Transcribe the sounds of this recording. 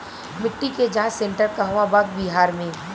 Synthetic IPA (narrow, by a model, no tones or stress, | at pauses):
mɪʈːiked͡ʒãːt͡ʃsẽɳʈəɾkaɦɐʋabaːɡ̚biɦaːɾmẽː